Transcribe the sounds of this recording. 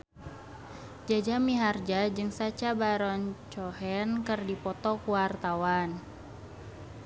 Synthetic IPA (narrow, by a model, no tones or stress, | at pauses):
d͡ʒad͡ʒamiɦard͡ʒad͡ʒɨŋsat͡ʃabaɾɔnt͡ʃɔɦɛnkɨrdipɔt̪ɔkuwart̪awan